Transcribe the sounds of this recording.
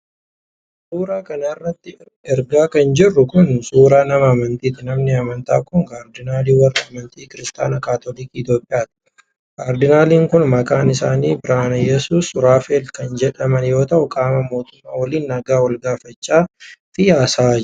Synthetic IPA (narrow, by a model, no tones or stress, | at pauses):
suːɾaːkɐnɐɪrːɐt̪ːɪ | ɪɾɡaːkɐnd͡ʒɪrːʊkʊnsuːɾaːnɐmɐɐmɐnt̪iːt̪ɪnɐmnɪɐmɐnt̪a̰ːkʊŋkaːɾd̪ɪnaːliːwɐrːɐɐmɐnt̪iːkɪɾɪst̪aːnɐkaːt̪olikːɪt̪jo̞ːpʼːɪjaːt̪ɪ̥ | kaːɾd̪ɪnaːliːŋkʊnmɐkʼaːnɪsaːniːbɪɾaːnɐjɛsuːsʊɾaːfeːlkɐnd͡ʒɛᶑɐmɐnjo̞ːt̪ɐʔʊkʼaːmɐmo̞ːt̪ʊmːa̰ːwɐliːnːɐɡaːwɐlɡaːfɐt͡ʃːaːfɪjaːsa